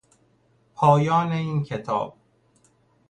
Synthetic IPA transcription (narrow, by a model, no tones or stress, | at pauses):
pʰɒːjɒːneiːncʰet̪ʰɒ̰ːb̥̚